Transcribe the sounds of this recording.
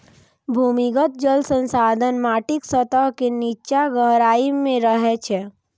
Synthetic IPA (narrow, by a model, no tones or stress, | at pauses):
bʱuːmɪɡət̪̚d͡ʒəlsə̃nsaːd̪ʱənmaːʈɪksət̪əɦkenit͡ʃaɡəɦɾaːimẽɾəɦɛt͡ʃʰɛ